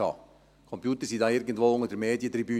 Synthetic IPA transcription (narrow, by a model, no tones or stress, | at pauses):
ɑ̰ː | kʰɔmpjuːt̪ərsidɑɪɾɡəntʋoːʊŋədəɾmeːdjət̪riby